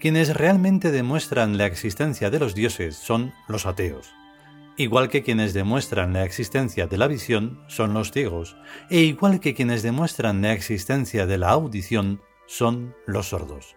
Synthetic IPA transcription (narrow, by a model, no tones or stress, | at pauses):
kje̞ne̞sre̞almẽnt̪e̞ðe̞mwe̞st̪ɾanlaeksist̪e̞nθjaðe̞lo̞zðjo̞se̞sːo̞nlo̞sat̪e̞o̰s | iɣwalke̞kje̞ne̞zðe̞mwe̞st̪ɾanlaeksist̪ẽ̞nθjaðe̞laβisjo̞nso̞nlo̞st̪jeɣ̞o̞se̞iɣwalkekje̞ne̞zðe̞mwe̞st̪ɾanlaeksist̪e̞nθjaðe̞laawðiθjo̞n | so̞nlo̞sːo̞ɾðo̞̰s